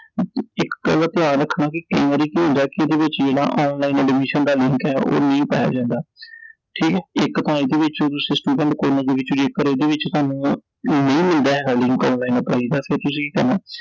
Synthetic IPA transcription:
ɪkːəlt̪ɪjaːnɾəkʰːnaːkikẽaɾiːkiːɦʊ̃nd̪aːkieːd̪eːʋɪt͡ʃd͡ʒeːɽa̰ːʔɔːnlaːiːnɛːɖɪmiːʃənd̪aːlɪŋkɛːo̰ːnəĩːpaːja̰ːd͡ʒãːnd̪aː | ʈʰiːkɛːɪkːt̪aːĩːd̪eːʋɪt͡ʃot̪ʊsẽːsʈuːɖɛ̃ɳʈkoːnãːd̪eːʋɪt͡ʃʊd͡ʒiːekːəɾeːd̪eːʋɪt͡ʃt̪ʊaːnũː | nəĩːmɪld̪aːɦɛːɡaːlɪŋkɔːnlaːiːnpa̰ːiːd̪aːpʰɪɾt̪ʊs̬ĩːiːkəɾnaː

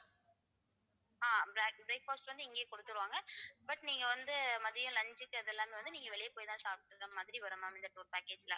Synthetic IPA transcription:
aːbɾkbɾeːk̚faːsʈʋɐnd̪ɯɪŋɡeːkɔɽɯt̪ːɯɾɯʋaːŋɡɐbɐʈniːŋɡɐʋɐnd̪ɯmɐðɪɾɪjʊ̃lɐɲd͡ʒɯkːɯɐðɛlːaːmeːʋɐnd̪ɯniːŋɡɐʋɛɭɐjpoːjt̪ãːsaːpɪʈːɯkːɐmɐðɪɾiʋɐɾɐmaːɪnd̪ɐʈuːɾpaːkeːd͡ʒɪlɐ

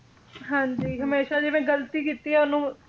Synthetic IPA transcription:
ɦãːɲd͡ʒiːɦəmeːʃaːd͡ʒɪmẽːɡəlt̪iːkiːt̪iːɛːʊnũː

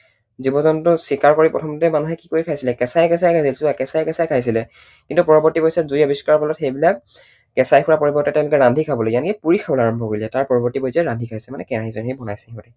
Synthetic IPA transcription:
zibɔzɔntʊsikaɹkoɹipɹɔ̰tʰɔmtɛmanuɦɛkikoikʰajsilɛkɛsajkɛs̬ajkʰajsilsubakɛsajkɛsajkʰajs̬ilɛ | kintupɔɹɔbɔɹtibɔjsazujɔbiskaɹpʰɔlɔtxejbilak̚ | kɛsajkʰuɹapoɹibɔɹtɛtɛ̃ʊ̃lʊkɛɹandʱikʰabɔlojiankɛpuɹikʰabɔlaɹɔmbʱɔkoɹilɛtaɹpɔɹɔbɔɹtibɔjsɛɹandʱikʰajsɛmanɛkɛaɦizɔnɦejbʱɔnajsɛɦikɔtɛ

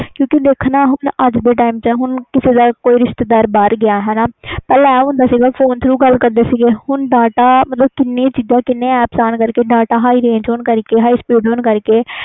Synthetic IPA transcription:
kjõːkid̪eːkʰnaːɦʊnəd͡ʒd̪eːʈaːimt͡ʃəɦʊnkɪsed̪aːkoːiːɾɪʃt̪ed̪aːɾbəɾɡɪjaːɦɛːnaːpɛːlɛːɦʊnd̪aːsiːɡaːfʰoːnt̪ʰɾuːɡəlkəɾd̪eːsiɡeːhʊnɖaːʈaːmət̪ləbkɪnːẽt͡ʃiːzãːkɪnːẽːɛːpsaːnkəɾkeːɖaːʈaːɦaːiːɾẽːnd͡ʒoːnkəɾkeːɦaːiːspiːɖoːnkəɾkeː

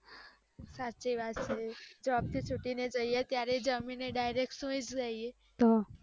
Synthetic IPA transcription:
sat͡ʃiʋat̪t͡ʃʰed͡ʒoab̚t̪ʰit͡ʃʰuʈined͡ʒəijet̪jaɾed͡ʒəmineɖajɾek̚ʈsũid͡ʒɡaie | t̪o

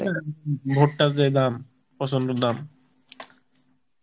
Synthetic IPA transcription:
bʱoʈːad͡ʑed̪am | pɔsʰond̪od̪am

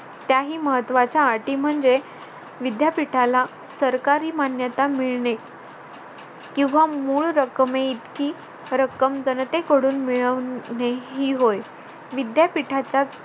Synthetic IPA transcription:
t̪jaɦiːməɦət̪ːʋat͡ɕjaːʈiːm̤əɳd͡ze | ʋid̪japiʈʰala | səɾkaɾiːmanjət̪amiɭɳe | kĩw̃ʋamuːɭɾəkəmeit̪kiː | ɾəkəmd͡zənt̪ekəɽuːnmiɭəʋneɦiːɦoj | ʋid̪japiʈʰat͡ɕa

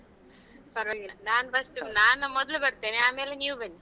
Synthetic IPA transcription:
pɐɾʋɐnaːnfɐsʈ̪ɯmnaːnɐmɔd̪ɐlɐbɐɽt̪ːeːneaːmeːlɐnjuːʋɐnːi

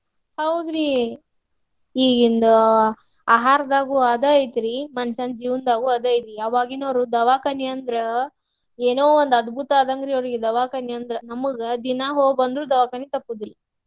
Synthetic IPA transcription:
hɐwd̪ɾi | iːɡind̪ɐ | aːɦaːɾɐd̪aːɡuaːd̪aːjit̪ɾimɐnʃand͡ʒiːʋɐnd̪aːɡuaːd̪aːjit̪ɾijaːʋaːɡinoːɾud̪ɐʋaːkɐnijɐnd̪ɾɐ | eːnoːond̪ɐd̪bʱut̪aːd̪ɐŋɡɾioɾiɡed̪ɐʋaːkɐnijɐnd̪ɾɐnɐmɐɡɐd̪inaːɦoːɡbɐnd̪ɾuːd̪ɐʋaːkɐnit̪ɐpːud̪ilːɐ

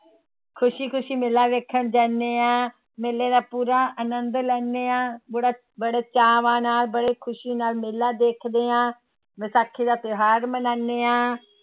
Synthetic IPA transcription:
kʰʊʃiːkʰʊʃiːmɪlaːʋeːkʰənd͡ʒaːneːãː | meːlːeːd̪aːpuːɾãːʔənənd̪lɛːnːeːãːbəɽaː | bəɽeːt͡ʃaːʋãːnaːlbəɽeːkʰʊʃiːnaːlmɪlːaːd̪eːkʰd̪eːãː | mɪsaːkʰːiːd̪aːt̪ɪɦaːɾmənaːneːãː

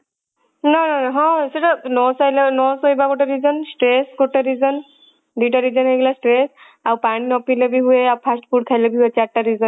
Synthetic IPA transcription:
nananaɦɔ̃seʈanɔsajlenɔsɔjbakɔʈaɾizɔnsʈɾeskɔʈːaɾizɔn | d̪iʈaɾid͡ʒɔnɦeɡelasʈɾes | awpañinɔpilɔbiɦueawpʰasʈpʰuʈkʰajlɔbiɦuet͡ʃaʈːaɾizɔn

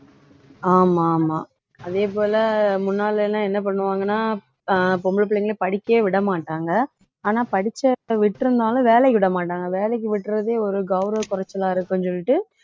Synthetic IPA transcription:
aːmaːmaː | ɐðeːpoːlɐmʊnːaːlɛnːãːɛnːɐp̬ɐɳːɯʋaːŋɡɐnːaː | pɔmɭp̬ɐɭɪŋɡɐlpɐɽɪkːeːʋɪɽɐmaːʈːaːŋɡɐ | aːnaːpɐɽɪt͡ʃːɐʋɪʈːɪɾɯnd̪aːlʊ̃ʋeːlɛkːɯʋɪɽɐmaːʈːaːŋɡɐʋeːlɛk̬ːɯʋɪʈːɾɐðeːɔɾɯɡɐʊɾɐkʊɾɐt͡ʃːɐlãːɪɾɯkːʊnsɔlːɪʈːɯ

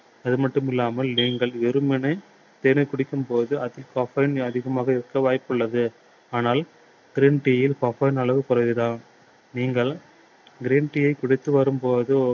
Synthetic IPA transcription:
ɐðɯmɐʈːɯmɪlːaːmɐlniːŋɡɐɭʋɛɾɯmɛnɐɪ | t̪eːnɐɪkʊɽɪkːɯmpoːðɯɐðɪlkoːfɐɪnɐðɪɣɐmaːɣɐɪɾɯkːɐʋaːjpːɯɭːɐðɯ | aːnaːl | ɡ̥ɪɾeːnʈɪjɐjɪlkoːfɐɪnɐɭɐʋɯkʊrɐɪʋɯðaːn | niːŋɡɐɭ | ɡɪɾeːnʈɪjɐɪkʊɽɪt̪ːɯʋɐɾɯmpoːðɯ

